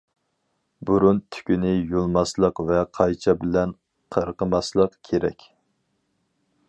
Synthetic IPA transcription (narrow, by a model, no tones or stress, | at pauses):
buɾunt̪ʰy̥kʲynɪjolˠmɑslˠəqvɛqʰɑjt͡ʃʰɑbɪlɛn | qʰəɾqəmɑslˠəqkʲʰeɾɛ̰kʲ